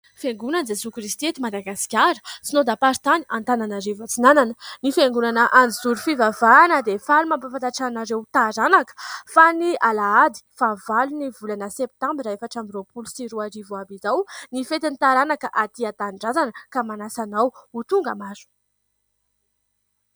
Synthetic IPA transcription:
feŋɡunand͡zesukrist̪iet̪imad̪aɡasi̥kʲaɾə̥sinod̪apaɾit̪aniant̪ananaɾivat͡sinananənifeŋɡunanəʔand͡zizuɾufivavaːnəd̪efalumampafant̪aʈ͡ʂanaɾewt̪aɾanakə̥fanialaad̪i̥favalunivulanəsep̚t̪ambiɾaefaʈ͡ʂambiropulusiɾuaɾivuabizawnifet̪init̪aɾanakəʔat̪iat̪anɳɖ͡ʐazanəkamanasanawut̪uŋɡəmazu̥

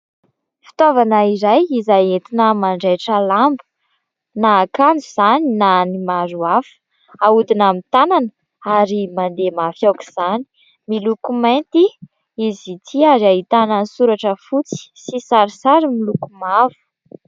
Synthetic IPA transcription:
fi̥t̪ovanaiɾajizajet̪inəmaɳɖ͡ʐejʈ͡ʂəlambu̥ | nakand͡zuz̥aninanimaɾuafə̥ | aud̪inamit̪ananə | aɾimand̪emafjawki̥z̥ani̥ | milukumant̪i | izit̪ʰiaɾiaɦit̪ananisuɾaʈ͡ʂəfut͡si̥sisaɾisaɾimilukumavu̥

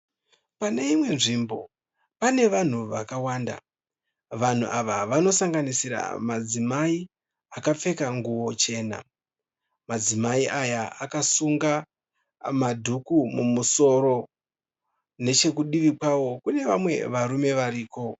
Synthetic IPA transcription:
pane̞imwe̞nʐimbo̞̰ | pane̞ʋan̤uʋakawaːnda̰ | ʋan̤ṵʔaʋaʋano̞saŋɡanisiɾa̰mad͡zimai | akap͡fe̞kaŋɡuwo̞t͡ʃe̞ːna̰ | mad͡zimaiʔajaakasuŋɡa | madʱukumumuso̞ɾo̞ | ne̞t͡ʃe̞kuɗiʋikwawo̞kune̞ʋamwe̞̰ʋaɾume̞ʋaɾiːko̞

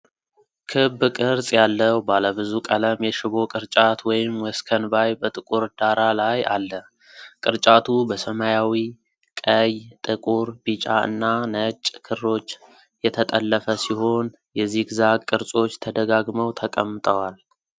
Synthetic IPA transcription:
kʰɨbkʼɨɾsʼjalːəwbaləbɨzukʼələmjɛʃɪβo̞kʼɨɾt͡ʃʼat̪wɔjɪmwɔskʰənbajbət̪ʼɨkʼuɾd̪aɾalaja̰lːə | kʼɨɾt͡ʃʼat̪ʰubəsəmajawi | kʼəjt̪ʼɨkʼuɾbit͡ʃʼaɨ̰nːanət͡ʃʼkʰɨrːo̞t͡ʃː | jɛt̪ʰət̪ʼəlːəfəsiho̞n | jɛzːiɡzakʼɨɾsʼo̞t͡ʃːt̪ʰəd̪əɡaɡməwt̪ʰəkʼəmːɨt̪ʼəwal

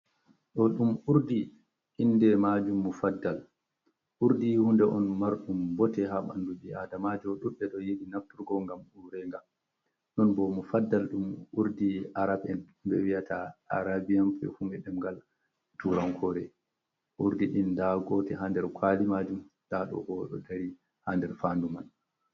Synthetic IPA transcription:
ɗɔɗumuɾdi | ʔindɛmad͡ʒumːufadːal | ʔuɾdihundɛʔɔnmaɾɗumbɔtɛɦaɓa̰nduɓiʔadamad͡ʒɔɗuɗɛɗɔjeɗinaftuɾɡɔŋɡamuɾɛŋɡam | nɔnbɔmufadːalɗumuɾdiaɾabɛn | bɛwijatʰaʔa̰ɾabijampɛ̰humɛɗɛmɡal | tuɾaŋkʰɔɾɛ | ʔuɾdiɗindaɡɔtɛɦandɛɾkʰwalimad͡ʒumd̥aɗɔ̰ɡɔɗɔ̰daɾi | handɛɾfanduman

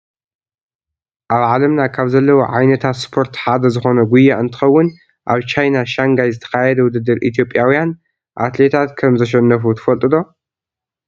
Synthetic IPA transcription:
ʔaβʕalɐmnakʰaβzɐlːɐwoʕajnɐt̪ʰat̪spʰo̞ɾt̪ħad̪ɐzɨxo̞nɐɡʷujːaʔɨnt̪ʰɨ̥xɐwːʊn | ʔaβt͡ʃʰajnaʃaŋɡajzɨt̪ʰɐ̥xajɛd̪ɐwʊd̪ɨd̪ːɨɾʔḭt̪ʰijo̞pʼjawujan | ʔa̰t̪le̞t̪ʰat̪kʰɐmzɐʃ̬ɐnːɐfut̪ʰɨ̥fɐlt̪ʼɨd̪o̞

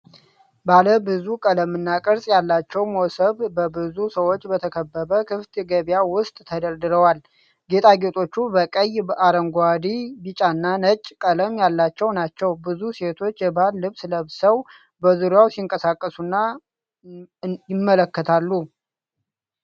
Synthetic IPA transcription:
baləbɨzukʼələmɨnːakʼɨɾsʼjalːat͡ʃːɛwmosəβbəbɨzusəwo̞t͡ʃːbət̪ʰəkʰəbːəβəkʰɨft̪ɡəβjawʊst̪ʼt̪ʰəd̪əɾd̪ɨɾəwal | ɡe̞t̪ʰʼaɡe̞t̪ʼʰo̞t͡ʃːubəkʼəjbəʔaɾəŋɡad̪ibit͡ʃʼanːanət͡ʃʼːkʼələmjalːat͡ʃːɛwnat͡ʃːɛwbɨzuse̞t̪ʰo̞t͡ʃːjɛbalːɨβsləβsəw | bəzuɾjawsiŋkʼəsakʼːəsunːa | jɪmːələkːət̪ʰalːu

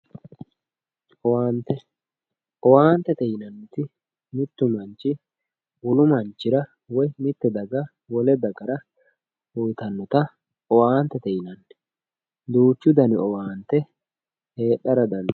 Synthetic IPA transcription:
ʔɔwaːnt̪ːɛ | ʔɔwaːnt̪ːɛt̪ɛjɪnɐnːʊt̪ɪ | mɪt̪ːʊmɐnt͡ʃːɪ | wʊlʊmɐnt͡ʃːɪɾɐ | wɔjmɪt̪ːɛd̪ɐɡɐ | wɔlɛd̪ɐɡɐɾɐ | ʊjt̪ɐnːɔt̪ɐ | ɔwaːnt̪ːɛt̪ɛjɪnɐnːɛ | d̪uːt͡ʃːʊd̪ɐnɪɔwaːnt̪ːɛ | he̞ːɗːɐɾɐd̪ɐn

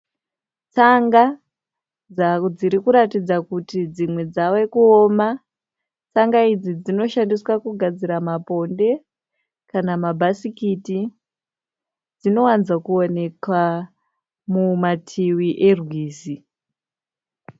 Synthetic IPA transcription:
t͡saŋɡa | d͡zad͡ziɾikuɾatid͡zakutid͡zimwe̞d͡zawekuo̞ːma | t͡saŋɡaid͡zid͡zino̞ʃandiswakuɡʱad͡ziɾamapo̞nde̞ | kanamabʱasikiti | d͡zino̞wanzakuone̞kwa | mumatʰiwiʔe̞rwiːzi

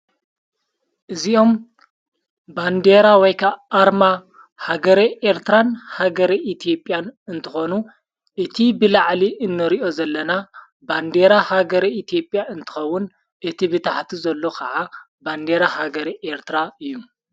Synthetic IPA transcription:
ʔɨziʔo̞m | band̪eɾawɔjkʰaːɾma | haɡɐɾiʔeɾt̪ɾanhaɡɐɾiʔit̪ʰijo̞pʼːjanɨnt̪ʰɨxo̞nu | ʔɨt̪ʰibɨlaʕliʔɨnːɐɾiʔo̞zɐlːɐna | band̪eɾahaɡɐɾiit̪ʰijo̞pʼːjaɨnt̪ʰɨ̥xɐwːʊn | ʔɨt̪ʰibɨt̪ʰaħt̪ʰizɐlːo̞kʰɐʕa | band̪eɾahaɡɐɾiʔeɾt̪ʰɨɾaɨjːu

